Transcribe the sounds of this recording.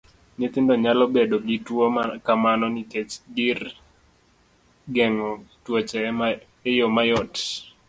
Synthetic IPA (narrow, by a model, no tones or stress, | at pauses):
ɲit̪ɪndɔɲalɔbedoɡitwokamanɔniket͡ʃdir | ɡɛŋɔtwot͡ʃɛ | ɛjomajɔt